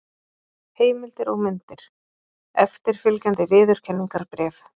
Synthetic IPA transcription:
heːjmɪlt̪ɪɾɔɣmʏnt̪ɪɾ̥ | ɛft̪ɪɾ̥fɪlcant̪ɪvɪːðʏɾ̥cʰɛnːiŋkaɾpɾɛːf

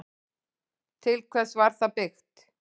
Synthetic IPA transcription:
t̪ʰɪlkʰvɛsvaɾ̥θapɪxt̪

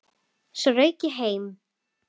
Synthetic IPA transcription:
srœɥcɪɦeːjm

